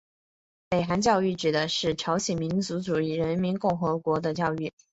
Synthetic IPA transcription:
pe˨˩ɪxa˧˥nt͡ɕjɑ˥˧ʊy˥˩ʈ͡ʂɻ̩˨˩d̪ə˦ʂɻ̩˥˩ʈ͡ʂʰɑ˧˥ʊɕɛ˨˩nmi˧˥nt͡su˧˥ʈ͡ʂu˨˩i˥˩ɻə˧˥nmi˧˥nkʊ˥˩ŋxɤ˧˥kwɔ˧˥d̪ə˧t͡ɕjɑ˥˧ʊy˥˩

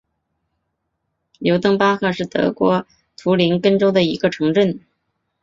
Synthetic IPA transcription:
jo˧˥ʊt̪ɤ˥ŋpa˥xɤ˥˧ʂɻ̩˥˩t̪ɤ̰˧˥kwɔ˧˥ | t̪ʰu˧˥li˧˥nkə˥nʈ͡ʂo˥ʊd̪ə˨i˧˥ɡə˧ʈ͡ʂʰɤ˧˥ŋʈ͡ʂə˥˩n

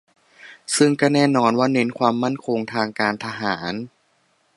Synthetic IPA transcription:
sɯ˥˩ŋkaː˥˩nɛː˥˩nɔː˧nwaː˥˩ne˦˥nkʰwaː˧mːa˥˩nkʰo˧ŋt̪ʰaː˧ŋkaː˧nt̪ʰa˧ɦaː˩˦n

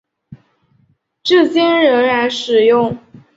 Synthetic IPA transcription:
ʈ͡ʂɤ˥˩t͡ɕjɛ˥nɻə˧˥nɻa˧˥nʂɻ̩˨˩jʊ˥˩ŋ

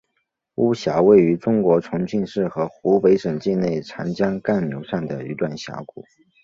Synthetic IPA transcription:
u˥˩ɕja˧˥we˥˩ɪy˧˥ʈ͡ʂʊ˥ŋkwɔ˧˥ʈ͡ʂʰʊ˧˥ŋt͡ɕʰi˥˧nʂɻ̩˥˩xɤ˧˥xu˧˥pe˧˥ɪʂə˨˩ŋt͡ɕi˥˧ne˥˩ɪʈ͡ʂʰa˧˥nt͡ɕjɑ˥ŋka˥˩nmjo˧˥ʊʂa˥˩ŋd̪ə˩y˧˥t̪wa˥˩nɕja̰˧˥ʊkṵ˨˩˦

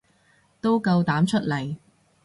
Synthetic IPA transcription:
t̪o˥wkɐ˧wt̪aː˨˥mt͡ʃʰɵ˥t̚lɐ˨˩j

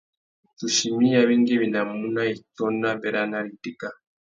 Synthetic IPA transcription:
tu˨ʃi˨mi˦ja˦βi˦ŋɡe˦βi˨na˨mu˦na˦i˨tɔ˦na˦be˦ɾa˦na˦li˨ti˦ka˦

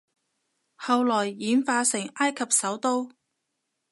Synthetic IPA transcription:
hɐ˨wlɔː˨˩jːiː˨˧nfaː˧sɪ˨˩ŋaː˥jkʰɐ˨p̚sɐ˨˥wt̪o˥w

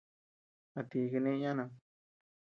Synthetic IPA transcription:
a˧t̪i˧ke˧nẽ˦˧ɲã˦nã˧

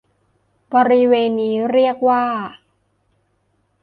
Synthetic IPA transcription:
bɔː˧ɾi˦˥weː˧nːiː˦˥ɾi˥˩ək̚waː˥˩

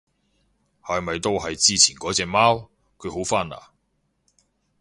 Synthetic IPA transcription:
haː˨jmɐ˨jt̪o˥wɦɐ˨jt͡siː˥t͡sʰiː˨˩nkɔː˨˥t͡sɛː˧maː˥w | kʰɵ˨˧ɥho˨˥wfaː˥na̰ː˨˩

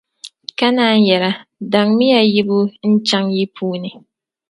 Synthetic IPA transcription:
ka˦naː˦n˦jɛ˨ɾa˦da˨ŋmi˦ja˨ji˦bu˦n̩˦t͡ʃa˦ŋji˦pʰuː˦ni˨

